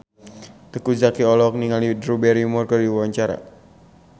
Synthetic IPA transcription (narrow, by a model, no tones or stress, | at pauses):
t̪əkud͡ʒakiɔlɔk̚niŋalidɾubɛɾimɔrkəriwaɲt͡ʃaɾa̰